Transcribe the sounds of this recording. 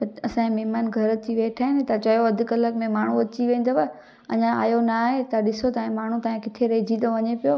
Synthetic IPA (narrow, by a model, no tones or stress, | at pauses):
pɐɐsãːẽmɪɦmanɡʱɐɾt̪ʰiʋeːʈʰaːɦɪnɪt̪ɐt͡ɕɐjoɐd̪ʱʊ̆kɐləkmẽmaːɳ̤ũɐt͡ɕiʋẽːn̆d̪oʋɐ | ɐ̰ɲãa̰ːjonaaːɦet̪ɐɗɪsot̪aːĩmaːɳ̤ũt̪aːẽkɪt̪ʰeɾɐɪd͡ʑid̪oʋɐɲepijo